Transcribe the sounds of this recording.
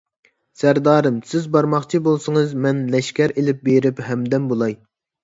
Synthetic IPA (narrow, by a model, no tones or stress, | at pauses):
sæɾd̪ɑːɾɨmsɪzbɑɾmɑχt͡ʃʰibolˠsɨŋɨzmɛnlɛʃkʲɛɾelɪp̚beɾɪphɛmd̪ɛmbolˠɑj